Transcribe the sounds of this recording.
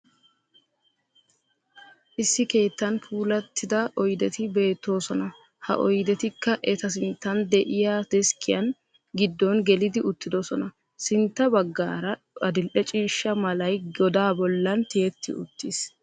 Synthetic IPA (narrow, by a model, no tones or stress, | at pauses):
ʔɪsːɪke̞ːt̪ːɐnpʰuːlɐt̪ʰːɪd̪ɐʔɔjd̪ɛt̪ɪbe̞ːt̪ːo̞ːsɔnɐ | hɐ̰ʔɔjd̪ɛt̪ɪkːɐʔɛt̪ɐs̬ɪnt̪ːɐnd̪ɛʔɪjad̪̥ɛskʰɪjɐn | ɡɪd̪ːɔnɡɛlɪd̪ɪʊt̪ːɪd̪ɔsɔnɐ | sɪnt̪ːɐbɐɡːaːɾɐ | ɐd̪ɪlʔɛt͡ʃʼiːʃːɐmɐlɐjɔd̪aːbɔlːɐnt̪ɪjɛt̪ʰːɪ̰ʊ̰t̪ːis